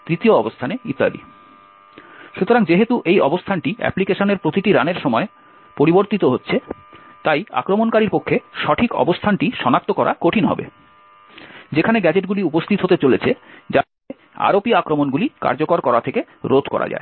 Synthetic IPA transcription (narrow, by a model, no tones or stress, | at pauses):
t̪ɾit̪ioɔbost̪ʰaneit̪ːa̰b̪ḭ | ʃut̪ʰoɾaŋd͡ʑeɦet̪uʔejɔbost̪ʰanʈiʔɛ̰plikeʃoneɾpɾot̪iʈiɾaneɾʃɔmɔe | poɾiboɾt̪it̪oɦotːɕʰet̪aja̰kɾomonkaɾiɾpokʰːeʃɔʈʰikɔ̰bost̪ʰanʈiʃɔnak̚t̪okɔɾʔa̰koʈʰinɦɔ̰bḛ | d͡ʑekʰaneɡɛd͡ʑeʈɡuliupost̪ʰit̪ɦot̪et͡ɕolet͡ɕʰed͡ʑa | e | a̰ɾopiakɾomonɡulika̰ɾd͡ʑokoɾkɔɾat̪ʰeke | ɾod̪ʱkɔ̰ɾa̰d͡ʑa̰ḛ